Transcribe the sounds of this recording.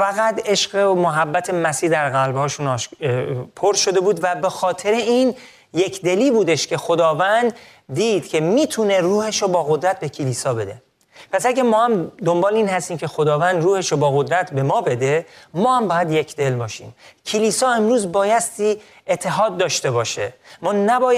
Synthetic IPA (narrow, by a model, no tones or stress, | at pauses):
fæɣæt̪e̞ʃɢemoɦæbːæt̪ʰe̞mæsiːhd̪æɾɣælbhɒːʃunɒʃpʰoɾʃod̪e̞buːd̪væbe̞xɒːt̪ʰe̞ɾeiːn | je̞kʰd̪e̞liːbuːd̪e̞ʃcʰe̞xo̞d̪ɒːvænd̪ː | iːd̪̥cʰe̞miːt̪ʰune̞ruːheʃobɒːɣo̞d̪ɾæt̪̚ʰbe̞cʰeliːsɒːbe̞d̪e̞̰ | pʰæsæɡʲæmɒːhæmd̪o̞mbɒːleiːnhæst̪iːmcʲʰe̞xod̪ɒːvænd̪ɾuːheʃobɒːɣo̞d̪ɾæt̪ʰbe̞mɒːbe̞d̪e̞mɒːhæmbɒːjæd̪je̞cʰd̪e̞lbɒːʃiːmcʰeliːsɒːe̞mɾuːzbɒːjæst̪iː | et̪ʰːe̞ɦɒːd̪ːɒːʃt̪e̞bɒːʃemɒːnæbɒːj